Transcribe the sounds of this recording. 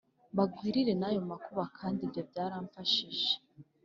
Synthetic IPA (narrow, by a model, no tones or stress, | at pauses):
βaɡwiːɾiɾe̞najo̞makuβakʰaːndibjo̞bɟaːɾaːɱfaʃiʒe